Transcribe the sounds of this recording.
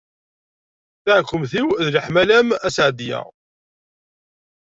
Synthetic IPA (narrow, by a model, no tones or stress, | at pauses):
θaʕkʷːəmθiwðləħmælæmæsʕd̪jæ̰